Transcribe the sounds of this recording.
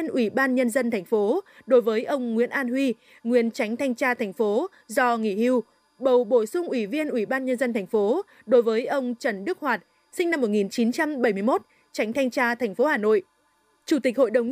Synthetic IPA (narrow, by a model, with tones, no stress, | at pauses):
ənʔwi˧˩ɓaː˧nɲə˧nzə˧nt̪ʰɛ˨˩ŋ̟fo˨˦ɗo˨˦jvəː˨˦jʔə˧wŋ͡mŋwḭ˧˥ənʔaː˧nhwi˧ | ŋwi˧˨ənt͡ɕa˨˦jŋ̟t̪ʰa˧jŋ̟t͡ɕaː˧t̪ʰɛ˨˩jŋ̟fo˨˦ | zɔ˧ŋi˧˩hi˧w | ɓə˨˩wɓo˧˩sʊ˧ŋ͡mʔwi˧˩vi˧ənʔwi˧˩ɓaː˧nɲə˧nzə˧nt̪ʰɛ˨˩jŋ̟fo˨˦ | ɗo˨˦jvəː˨˦jʔə˧wŋ͡mt͡ɕə˧˩nɗɨ˦˥ək̚hwaː˨˩t̚ | sï˧ŋ̟na˧mːo˨˩t̚ŋi˨˩nt͡ɕi˨˦nt͡ɕa˧mɓə˧˩jm˧əmo˦˥t̚ | t͡ɕa˨˦ŋ̟t̪ʰa˧jŋ̟t͡ɕaː˧t̪ʰa˨˩jŋ̟fo˨˦haː˨˩no̰˧˨jʔ | t͡ɕu˧˩t̪ï˨˩k̟̚ho̰˧˨jɗə˨˩wŋ͡m